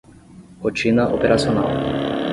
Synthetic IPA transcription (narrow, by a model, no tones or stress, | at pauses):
ɔt͡ʃinaʔopeɾat͡siona̰l